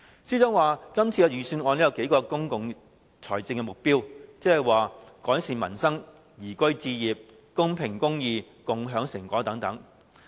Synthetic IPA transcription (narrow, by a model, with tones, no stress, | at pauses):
siː˥t͡sɔː˥ŋwaː˨kɐ˥mt͡sʰiː˧ɔ˧jyː˨˩syː˧nɔː˧nliː˥jɐ˨˧wke˨˥jkɔː˧kʊ˥ŋkʊ˨ŋ | t͡sʰɔː˨˩jt͡sɪ˧ŋkɛː˧mʊ˨k̚piː˥wt͡sɛː˥hɐ˨jwaː˨kɔː˨˥jsiː˨˩nmɐ˨˩nsɐ˥ŋ | jiː˨˩kɵ˥ɥt͡siː˧jiː˨p̚ | kʊ˥ŋpʰɪ˨˩ŋkʊ˥ŋjiː˧ | kʊ˨˧ŋɦœː˨˥ŋsɪ˨˩ŋkʷɔː˨˥t̪ɐ˨˧˥ŋt̪ɐ˨˥ŋ